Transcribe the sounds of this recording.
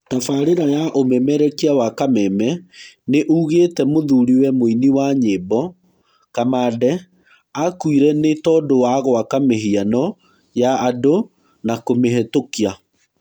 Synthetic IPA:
tafaɾeɾajaʔomɛmɛɾɛkiawakamɛmɛneʔuːɣetɛmoðuɾiwɛmoiniwaɲebɔ | kamadɛ | akuiɾɛnetɔːdowaɣwakameɦianɔ | jaːdo | nakomeɦɛtokia

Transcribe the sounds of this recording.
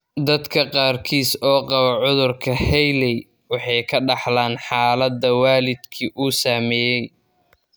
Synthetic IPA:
d̪ɐd̪kʰɐqɑːrkʰiːsɔːqɑβɐʕʊðʊrkʰɐhɛjlɛj | wɑħɑjkʰɐɖɑħlaːnħɑːlɐd̪ɐwaːlɪd̪kʰiʔuːsaːmɛːjɛj

